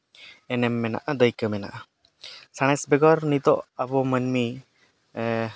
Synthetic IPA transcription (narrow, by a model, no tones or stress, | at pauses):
ɛnɛmːɛna̰ʔad̪əjkəmɛna̰ʔa | saɽ̃ɛsbɛɡɔɾnit̪ɔʔabɔmənmi